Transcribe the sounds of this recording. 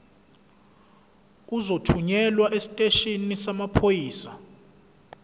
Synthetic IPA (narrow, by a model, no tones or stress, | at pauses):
uzotʰuɲɛlwaʔesi̥tʼeʃinisamapʰojiːsa